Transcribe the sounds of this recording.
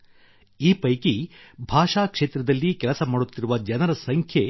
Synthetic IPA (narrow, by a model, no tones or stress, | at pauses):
iːpɐjkibʱaːʂaːkʂeːt̪ɾɐd̪ɐlːikɛlɐsɐmaːɽut̪ːiɾuʋɐd͡ʒɐnɐɾɐsɐŋkʰje